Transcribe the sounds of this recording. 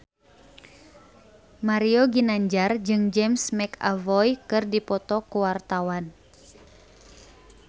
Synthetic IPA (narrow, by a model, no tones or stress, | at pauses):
maɾiɔɡinaɲd͡ʒard͡ʒɨŋd͡ʒɛmsmɛka̰vɔjkɨrdipɔt̪ɔkuwart̪awan